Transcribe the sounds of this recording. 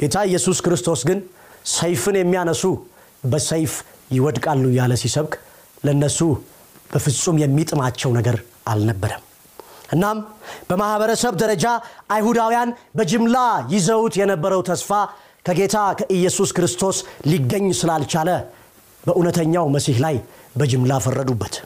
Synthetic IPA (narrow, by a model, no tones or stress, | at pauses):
ɡ̥e̞t̪ʰaɨjːɛsuskɾɨst̪ʰo̞sɡɨnsəjfɨnjɛmːijanəsu | bəsəjfjɪwɔd̪kʼalːujaləsisəβkʼ | ləɨnːəsu | b̥əfɨsʼumjɛmːit̪ʼɨmat͡ʃːɛwnəɡəɾʔa̰lnəbːəɾəm | ʔɨnːamb̥əmahbəɾəsəβd̪əɾəd͡ʒaʔajhud̪awijanbəd͡ʒɨmlajɪzəwut̪jɛnəbːəɾəwt̪ʰəsfa | kʰəɡe̞t̪ʰakʰəʔɨjːɛsuskɾɨst̪ʰo̞sliɡːəɲːsɨlalt͡ʃalə | bəʔunət̪ʰəɲːawməsihlajbəd͡ʒɨmlafərːəd̪ubːət̪